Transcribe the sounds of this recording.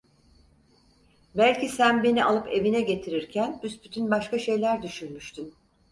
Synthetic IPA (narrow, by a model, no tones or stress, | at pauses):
bælʲcisænbe̞nialˠɯpe̞vinɛɟe̞t̪ʰiɾiɾcʰænbysbyt̪ʰynbaʃkaʃe̞jlʲæɾd̪yʃynmyʃt̪ʰym